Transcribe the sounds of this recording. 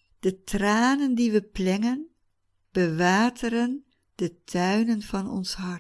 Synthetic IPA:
d̥ətraːnəndiʋəplɛŋən | b̥əʋaːtʰəɾən | d̥ətʰœɥnənvɑnɔ̰nsɦɑr

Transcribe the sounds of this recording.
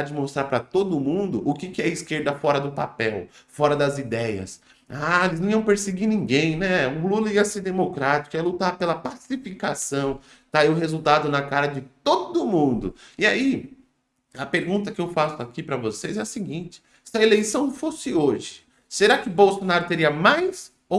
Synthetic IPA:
ad͡ʒɪmost̪ɾaɾpɾɐt̪od̪ʊmũnd̪ʊʔʊkɪkɪɛɐiskeɾd̪ɐfɔɾɐd̪ʊpa̰pɛwfɔɾɐd̪ɐzid̪ɛjɐ̰s | aelɪznɐ̃iɐ̃w̃peɾsɪɡinĩɡẽj̃nɛʊlulɐiɐseɾd̪emokɾat͡ʃi̥kʊɛlut̪aɾpelɐpasifikasɐ̃w̃ | t̪aiʊɦezuwt̪ad̪ʊnɐkaɾɐd͡ʒɪt̪od̪ʊmũnd̪ʊ̰ɪai | ɐpeɾɡũt̪ɐkɪewfasʊakipɾɐvosezɛɐsɪɡĩt͡ʃɪ̥ | sɪɐelejsɐ̃w̃fosɪoʒɪ̥ | seɾakɪʊbowsonaɾʊt̪eɾiɐmajs | o

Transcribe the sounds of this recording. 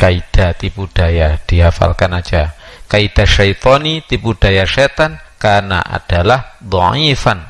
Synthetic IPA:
kaid̥a̤t̪ipud̥ajad̥iɦafa̰lkanḁd͡ʒakaid̥a̤ʃajt̪ɔnit̪ipud̥ajaʃet̪ankarna̰ʔa̰d̥alahd̪ˤɔʕifan

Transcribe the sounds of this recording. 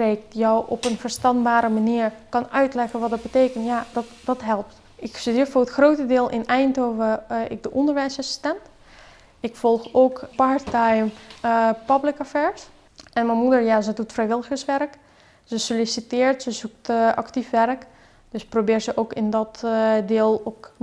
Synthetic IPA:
reːk̚tjɔwɔpənfəɹstɑnbaːɾəmaniəɹkɑnœɥtlɛɣənʋɔt̚dɔt̚bəteːkəntjadɔtd̥ɔtɦɛlˠp̚t | ɪksdifoːətxroːtədɪːlˠʔɪnɛjntoːvəɪ̰k̚dəʔɔndəɹʋɛjsəsstɛnt | ɪkfɔlˠxoːkpaɹtajəm | pablɪkafɛɹs | ʔɛnmɛmudəɹjazədutfrɛjʋɪlˠəɣəsʋɛrk | z̥əsolisitɪːɹtsəzuk̚tʔɑktifʋɛrk | d̥øsprobɪːɹzəʔowkɪndɔtdɪːlˠok

